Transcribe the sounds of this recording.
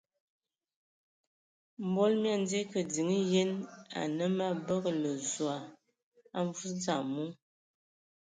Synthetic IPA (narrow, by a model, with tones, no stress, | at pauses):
m̩˦bɔ˦lmja˦˨n˦de˦kə˨di˨ŋi˦je˦na̰˨nə˦ma˦bə˦klə˨zwa˨ | a˦ɱ˦vu˦t͡sa˦˨mu˦